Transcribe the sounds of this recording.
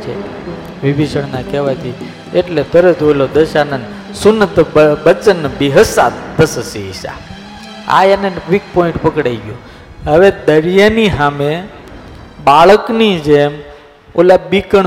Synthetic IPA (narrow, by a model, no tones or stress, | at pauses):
t͡ʃʰḛ | ʋibiʃəɽnakɛʋajt̪ʰi | eʈlet̪əɾət̪ɦojlod̪əʃanən | sunːət̪əbət͡sənːəbiɦəsad̪əsəsiḭsa̰ | a̰janeʋik̚pɔĩɳʈpəkɽaiɡjo | ɦəʋed̪əɾjaniɦamẽ | baɭəknid͡ʒem | o̰labikəɳ